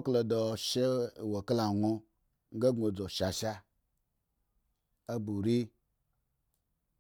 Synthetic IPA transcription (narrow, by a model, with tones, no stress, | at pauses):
o˦klo˨do˨ʃe˦˨wo˨kla˨ŋʷo˦˧ | ŋ̩˦ɡe˦ɡo˨d͡zo˨ʃa˨ʃa˦ | a˦bu˨ɾi˦